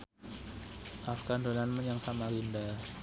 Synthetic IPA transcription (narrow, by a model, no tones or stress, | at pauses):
ʔafɡandonanməjaŋsamaɾinda